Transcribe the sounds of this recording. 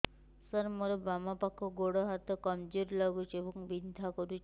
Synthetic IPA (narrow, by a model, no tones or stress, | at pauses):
sɔɾmoɾɔbamapakʰːɔɡoɽɔɦat̪ɔkɔmd͡ʒuɾlɔɡut͡ʃʰebɔŋbid̪d̪ʱakɔɾut͡ʃʰ